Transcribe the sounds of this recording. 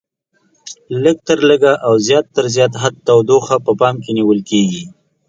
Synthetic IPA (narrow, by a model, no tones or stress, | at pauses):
ləɡ̚t̪əɾləɡaʔawzjɑt̪ːəɾzjɑt̪̬ɦad̪̚t̪awd̪oxapəpɑmkeniwəlkeɡi